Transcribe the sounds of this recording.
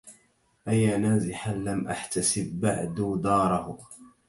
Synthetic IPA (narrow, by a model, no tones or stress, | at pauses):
ʔajːaːnaːzɪħanlamʔa̰ħt̪asɪbːa̰ʕd̪uːd̪ɑːɾˤɑhʊ